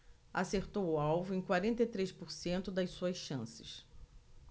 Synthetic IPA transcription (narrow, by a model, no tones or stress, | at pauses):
aseɾt̪owʊawvʊẽj̃kwaɾẽnt̪ejt̪ɾejspʊɾsẽnt̪ʊd̪ɐjsuɐsʃɐ̃sɪ̥s